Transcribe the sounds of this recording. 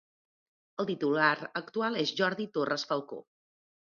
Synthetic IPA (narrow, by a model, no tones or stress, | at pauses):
əlˠt̪it̪ulaɾəkt̪ualˠezʒɔɾðit̪orəsfəlˠko̰